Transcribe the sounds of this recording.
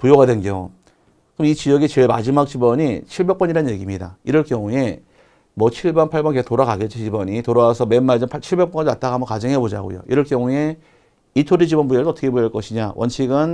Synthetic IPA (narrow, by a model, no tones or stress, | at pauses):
pujoɡadwenɡo̰ | kɯmit͡ɕijʌɡit͡ɕeɭma̰d͡ʑimak̚t͡ɕ͈ibʌɲit͡ɕʰiɭbe̞k̚p͈ʌɲiɾannje̞ɡimɲidaiɾʌɭk͈jʌŋue̞ | mwʌt͡ɕʰiɭbʌnpʰaɭbʌnkestoɾaɣaɡet͡ɕ͈it͡ɕibʌɲitoɾaasʰʌme̞nmːaɭd͡ʑɯnpʰat͡ɕʰiɭbek̚p͈ʌŋat͈aɡamʌnkad͡ʑʌŋɦebod͡ʑaɡo̰jo̰iɾʌɭkjʌŋue̞ | itʰoɾid͡ʑibʌnbueɯsoʌtʰʌkʰebojɭk͈ʌɕʰiɲawʔʌ̰nt͡ɕʰiɡɯn